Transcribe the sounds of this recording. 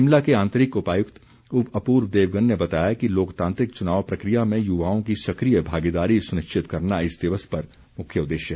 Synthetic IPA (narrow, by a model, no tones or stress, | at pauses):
ɪmlakeãːnt̪əɾɪkʊpaːjʊkt̪ | ʊpɐpuːɾʋd̪eːʋɡənːebɐt̪aːjakiloːkt̪ãːnt̪ɾɪk̚t͡ʃʊnaːʋpɾɐkɾijamẽjʊʋaːõkisɐkɾijəbʱaːɡid̪aːɾisʊnɪʃt͡ʃɪt̪kɐɾnaɪsd̪ɪʋəspɐɾ | mʊkʰjəʊd̪ːeːʃjəɦ